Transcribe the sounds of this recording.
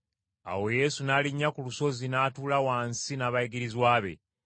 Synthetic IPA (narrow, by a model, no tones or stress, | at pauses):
a̰wo̞je̞ːsunaːliɲːakuluso̞zinaːtuːlawaːnsinaβaiɡiɾizwaːβe̞̰